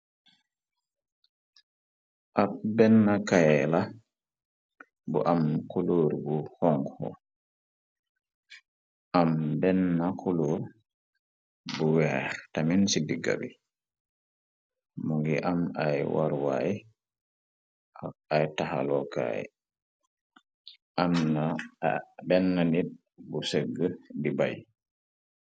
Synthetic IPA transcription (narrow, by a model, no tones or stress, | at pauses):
ʔabɛnːakajɛla | bɔʔamkuloɾɡuhɔŋɡhɔ̰ | ʔambɛnːakʰuloɾ | buwɛɾtaminsidiɡa̰bi | muŋɡḭʔamajwaɾwa̰ji | ajtaha̰lɔka̰ɛ̰ | ʔamna | bɛnːanid | busəɡːədiba̰j